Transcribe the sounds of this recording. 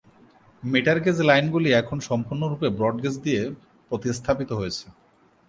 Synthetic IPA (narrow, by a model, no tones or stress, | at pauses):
meʈaɾɡed͡ʑlajnɡuliɛkʰonʃɔmpuɾnoɾupebɾɔɖɡed͡ʑd̪ije | pɾot̪ist̪ʰapit̪oɦojet͡ɕʰe